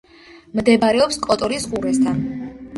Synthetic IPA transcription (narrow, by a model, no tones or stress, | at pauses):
md̪ɛbaɾɛɔpskʼɔt̪ʼɔɾisqʼuɾɛst̪ʰan